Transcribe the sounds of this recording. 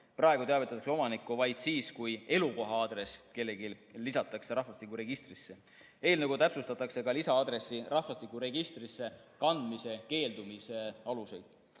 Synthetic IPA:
prɑeɡut̪eɑvet̪ːˑɑt̪ɑkseo̞mɑnikːˑuvɑjd̪̥siːskuje̞luko̞ɦɑɑd̪ɾe̞ske̞lːe̞ɡilːisɑt̪ːˑɑkseɾɑhfɑst̪ikːˑuɾe̞ɡ̥ist̪risːe̞ | e̞ːlneɡut̪æpsust̪ɑt̪ːˑɑkse̞kɑlisɑɑd̪ɾe̞sːirɑhfɑst̪ikːˑuɾe̞ɡ̥ist̪risːe̞kɑnd̪̥mise̞ke̞ːld̪umise̞ɑluse̞jd̪̥

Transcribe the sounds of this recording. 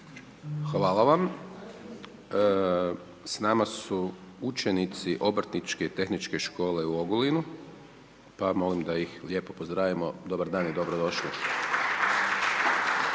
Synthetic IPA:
xʋaːlˠaʋam | snaːmasu | ut͡ʃe̞nit̪siʔo̞bɾt̪nit͡ʃke̞t̪e̞xnit͡ʃke̞ʃko̞ːle̞uo̞ɡulinu | pamo̞limd̪ajixlje̞ːpopozd̪ɾaːʋimod̪o̞baɾd̪aːnjed̪o̞bɾod̪o̞ʃli

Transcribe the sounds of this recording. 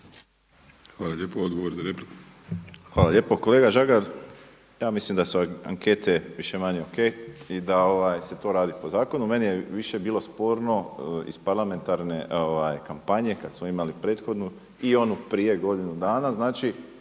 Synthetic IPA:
xʋaːlaʎepood̪ɡoʋoɾzaɾepɾik | xʋaːlˠaʎe̞ːpoko̞le̞ːɡaʒaɡaɾ | jaːmislimd̪asua̰ŋke̞t̪e̞ʋiʃe̞maɲeoke̞jid̪ao̞ʋajse̞t̪o̞ːɾaːd̪ipo̞zaːko̞nume̞nijeʋiʃe̞biːlˠo̞spo̞ːɾno̞ḭspaɾlˠame̞nt̪aɾne̞ʔoʋajkampaɲe̞kad̪smoimalipɾe̞ːt̪xo̞d̪nu | io̞nupɾiːje̞ɡo̞d̪inud̪aːnaznaːt͡ʃi

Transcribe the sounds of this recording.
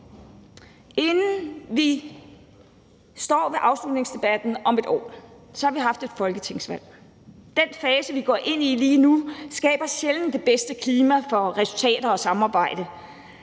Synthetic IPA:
ʔe̝nn̩ʋi | sd̥ɒ̰ːʋe̝ʔɑ̈ʊslud̥neŋsd̥e̝b̥æd̥n̩ɒ̽me̝d̥ɒ̰ː | sɒ̽hɑ̈ʋiɦɑ̈fd̥e̝d̥fɒ̽lɡ̥ət͡sʰe̝ŋ̰sʋæl̰ | d̥enfɛːsəʋiɡ̥ɒ̰ːʔe̝n̰iliːnusɡ̥ɛ̰ːb̥ɐɕeln̩d̥e̝b̥esd̥əkʰliːmæfɒ̽ʁɛsult͡sʰɛ̰ːd̥ɐɒ̽sɑ̈mɑ̈ːb̥ɑ̈ɪ̰d̥ə

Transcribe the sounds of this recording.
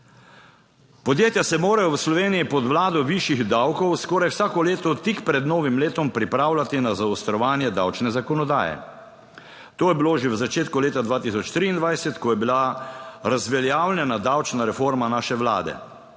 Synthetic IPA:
pɔd̪jeːt̪jasɛmoːɾajɔwslɔʋeːnijipɔd̪ʋlaːd̪ɔʋiʃiɣd̪awkɔwskɔːɾajwsaːkɔleːt̪ɔt̪ikpɾɛd̪nɔːʋimleːt̪ɔmpɾipɾaːwlʲat̪inazaɔst̪ɾɔʋaːnjɛd̪a̰wt͡ʃnɛzakɔnɔd̪a̰ːjɛ̰ | t̪oːjɛbiloːʒewzat͡ʃeːt̪kuleːt̪ad̪ʋaːt̪isɔt͡ʃt̪ɾiːnd̪ʋajsɛt̪kɔjɛbilaɾazʋɛljaːwlʲjɛnad̪awt͡ʃnaɾɛfoːɾmanaːʃɛʋla̰ːd̪ɛ̰

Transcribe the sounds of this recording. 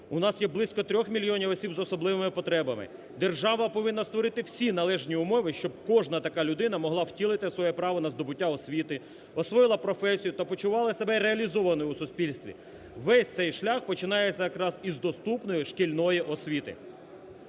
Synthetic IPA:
ʊnɑsjɛblˠɪsʲkɔt̪ɾʲɔxmʲilʲjɔnʲiʋɔsʲibzɔsɔblˠɪʋɪmɪpɔt̪ɾɛbɐmɪ̰ | d̪e̞rʒɑʋɐpɔʋɪnːɐst̪ʋɔɾɪt̪ɪwsʲinɐlˠɛʒnʲiʊmɔʋɪʃt͡ʃɔb̚kɔʒnɐt̪ɐkɑlʲʊd̪ɪnɐmɔɦlˠɑwtʲilˠɪt̪ɪsʋɔjɛpɾɑʋɔnɐzd̪ɔbʊtʲːaɔsʲʋʲit̪ɪ | ɔsʋɔjɪlˠɐpɾɔfɛsʲijʊt̪ɐpɔt͡ʃʊʋɑlˠɐsebɛreɐlʲizɔʋɐnɔjʊwsʊspʲilʲst̪ʋʲḭ | ʋɛsʲt̪sɛjʃlʲɑxpɔt͡ʃɪnɑjet͡sʲːɐjɐkɾɑzizd̪ɔst̪upnɔjiʃkilʲnɔjiʔɔsʲʋʲit̪ɪ̰

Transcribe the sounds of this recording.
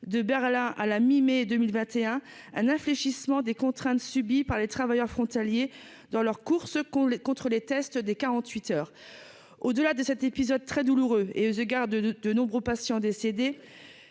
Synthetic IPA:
d̪əbɛʁlɛ̃ʔalamimed̪ømilvɛ̃t̪eɛ̃ɛ̃nɛ̃fleʃismɑ̃d̪ekɔ̃t̪χɛ̃t̪sybipaʁlet̪χavajœʁfχɔ̃t̪alje | d̪ɑ̃lœʁkuʁskɔ̃t̪χəlet̪ɛst̪d̪ekaʁɑ̃t̪ɥit̪œːʁ | od̪əlad̪əsɛt̪epizɔd̪̚t̪χɛd̪uluʁøḛøzəɡaʁd̪d̪ənɔ̃bʁøpasjɑ̃d̪esed̪e

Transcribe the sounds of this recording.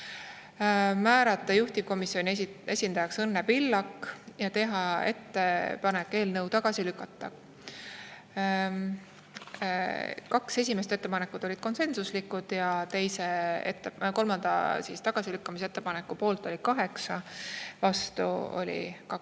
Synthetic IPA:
mæːɾɑt̪ːˑɑjuht̪iko̞misːjo̞nʲie̞sʲind̪ɑjɑksɤnːebilːɑkːjɑt̪e̞ɦɑe̞̰t̪ːe̞pɑne̞kːeːlnɤwt̪ɑɡ̥ɑsilykːˑɑt̪ˑːɑ̥ | kɑkse̞s̬ʲimes̬et̪e̞t̪ːe̞pɑnekːˑud̪̥o̞lid̪̥̚ko̞nse̞nsuslikːˑud̪̥jɑt̪e̞jse̞ḛt̪ːˑeko̞lmɑnd̪̥ɑ̰sist̪ɑɡ̥ɑsilykːɑmis̬ee̞t̪ːˑe̞pɑnekːˑupo̞ːlt̪ːˑo̞lʲikɑɦe̞ksɑvɑst̪ṵo̞̰lʲḭkɑ

